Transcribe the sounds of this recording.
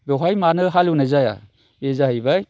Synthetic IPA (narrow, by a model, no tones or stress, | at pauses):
beɦajmanɯɦalwnezaja̰ | ezaɦɯjbaj